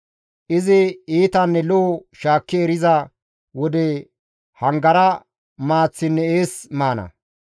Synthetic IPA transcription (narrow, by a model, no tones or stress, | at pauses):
ʔɪzɪiːt̪ɐnːɛloːʃaːkːɪɛɾɪzɐ | wɔd̪ɛ | hɐŋɡɐɾɐ | maːt͡sːɪnːɛeːsmaːnɐ̰